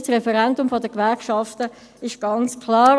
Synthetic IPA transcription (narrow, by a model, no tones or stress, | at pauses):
sʁɛfɛɾɛndʊmfɔdəkʋɛɾkʃɑftə | ɪʃɡ̥ɑnt͡skʰlɑːɾ